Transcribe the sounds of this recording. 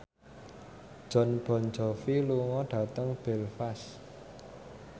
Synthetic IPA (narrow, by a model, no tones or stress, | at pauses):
d̥ʒ̥ɔ̤nb̥ɔ̤nd͡ʒɔ̤filuŋɔɖ̥ä̤t̪əŋb̥ɛlfas